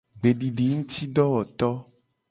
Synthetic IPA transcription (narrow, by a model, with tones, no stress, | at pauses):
ɡ͡be˨ɖi˨ɖi˨˦ŋũ˦t̪i˦ɖɔ˦wɔ˨t̪ɔ˦